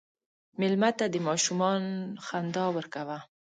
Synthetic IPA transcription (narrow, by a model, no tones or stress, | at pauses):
mɪlmat̪ad̪əmɑʃumɑnxand̪ɑwəɾkawa